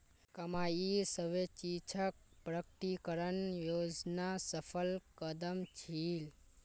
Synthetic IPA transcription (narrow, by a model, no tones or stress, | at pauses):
kəmajisəʋet͡ʃit͡ʃʰək̚pɾəkʈikəɾənjod͡ʒnasəpʰəlkəd̪əmt͡ʃʰil